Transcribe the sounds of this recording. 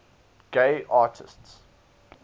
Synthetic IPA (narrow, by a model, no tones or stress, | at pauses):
ɡ̥eɪʔɑːˑtʰɪsts